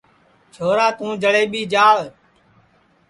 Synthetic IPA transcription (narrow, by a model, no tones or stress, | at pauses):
t͡ʃʰoːɾaːt̪ũːd͡ʒəɽeːɓiːd͡ʒaːɭ